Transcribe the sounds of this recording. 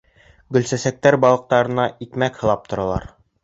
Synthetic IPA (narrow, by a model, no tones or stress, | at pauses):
ɡɵ̆lsæsæk̚t̪æɾbɒlˠɤ̆q̚t̪ɑɾɤ̆nɑikmækhɤ̆lˠɑp̚t̪ŏɾɑlˠɑ̰ɾ